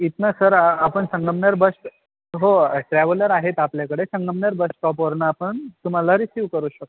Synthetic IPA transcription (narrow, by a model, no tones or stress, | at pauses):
it̪nasəɾapəɳsəŋɡəmɳəɾbəsʈ | ɦoʈɾɛʋələɾaɦet̪apljakəɽesəŋɡəmɳəɾbəsʈʈɔpoɾɳaːpəɳt̪um̤alaɾisiʋkəɾuːɕək̚t̪ː